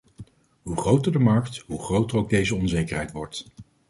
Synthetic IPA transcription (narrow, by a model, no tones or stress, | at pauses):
ɦuχrowtəɹdəmɑɹktɦuχrowtəɹowɡ̚dejzəɔnzejkəɹɦɛjtʋɔɹt